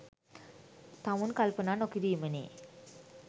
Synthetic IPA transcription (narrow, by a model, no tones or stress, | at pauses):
t̪amunkalpənaːnokid̪iːmənḛː